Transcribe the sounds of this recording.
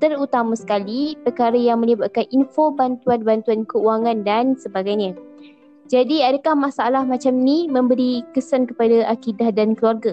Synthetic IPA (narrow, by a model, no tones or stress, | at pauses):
t̪əɾut̪amasə̥kalipərkaɾajaŋmə̃libat̪̚kaninfobant̪uanbant̪uankəuaŋãndansəbaɡajɲã | d͡ʒadiadəkahmasaalahmat͡ʃamnimə̃mbəɾikəsankə̥padaʔakidahdankəluarɡa